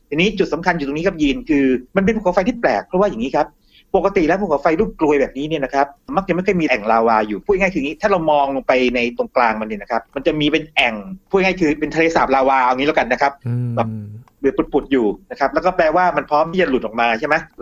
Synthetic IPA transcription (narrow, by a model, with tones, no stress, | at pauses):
t̪a˨˩ŋniː˦˥t͡ɕu˨˩sa˩˦mkʰa˧nju˨˩o˧ŋniː˦˥kʰp̚jiː˧nkʰɯː˧ma˧npe˧nʰpu˥˩kʰːa˨˦wfa˧jt̪ʰiː˥˩plɛ̰ː˨˩k̚pʰɾɔ˦˥waː˥˩ja˨˩ŋiː˦˥kʰa˦˥p̚ː | o˨˩ka˧t̪i˨˩lɛ˦˥wpʰu˥˩kʰa˨˦wfa˧jluː˥˩p̚klu˧əjbɛː˨˩p̚niː˦˥ni˥˩ɐna˦˥kʰa˦˥p̚ma˥˩k̚t͡ɕa˨˩˦ma˥˩jkʰjmiː˧ʔɛ˨˩ŋlaː˧waː˧juː˨˩pʰu˥˩˨ŋa˥˩jkʰɯ˧˨ŋiː˦˥t̪ʰaː˥˩ɾa˧wmɔː˧ŋ˧pa˧jna˧jt̪o˧ŋklaː˧ŋma˧ni˧˥˩na˦˥kʰa˦˥p̚ma˧nt͡ɕa˨˩miː˧pe˧nʔɛ˨˩ŋpʰːŋaː˥˩jkʰɯː˧pe˧nt̪ʰa˧leː˧saː˨˩p̚laː˧waː˧ʔa˧˨ŋi˦˥lɛː˧˩ka˧nːa˦˥kʰa˦˥p̚bɛː˨˩p̚lɯ˨˦˩pu˨˩t̪̚pu˨˩t̪̚juː˨˩na˦˥kʰa˦˥p̚lɛː˦˥kɔː˥˩pɛː˧waː˥˩ma˧npʰɾɔː˦˥mt̪ʰiː˥˩t͡ɕa˨˩lu˨˩t̪ʔɔ˨˩k̚maː˧t͡ɕʰa˥˩jma˦˥